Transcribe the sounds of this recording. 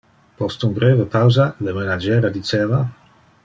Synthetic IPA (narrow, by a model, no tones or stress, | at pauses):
pɔst̪unbɾeːvəpawzalemenad͡ʒɛːɾad̪it͡ʃeːva